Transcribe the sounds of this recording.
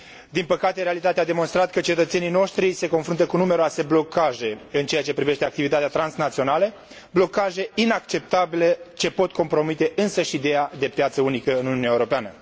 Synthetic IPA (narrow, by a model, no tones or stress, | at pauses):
d̪inpəkat̪e̞ɾealit̪at̪ead̪emo̞nst̪ɾat̪kət͡ʃe̞t̪ət̪se̞nijno̞ʃt̪ɾise̞ko̞nfɾunt̪əkunume̞ɾoase̞blo̞kaʒe̞ɨnt͡ʃe̞jat͡ʃe̞pɾive̞ʃt̪e̞ak̚t̪ivit̪at̪eat̪ɾansnat̪sio̞nalə | blo̞kaʒe̞inakt͡ʃe̞p̚t̪abile̞t͡ʃe̞po̞t̪̚kʰo̞mpɾo̞mit̪e̞ʔɨnsəʃid̪e̞jad̪e̞pjat̪səunikəɨnununjaeuɾo̞peanə